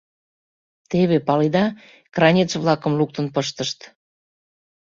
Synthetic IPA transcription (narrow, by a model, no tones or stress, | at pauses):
t̪eβepɑlid̪ɑ | krɑnʲett͡sβlɑkə̆mluk̚t̪ənpəʃt̪əʃt̪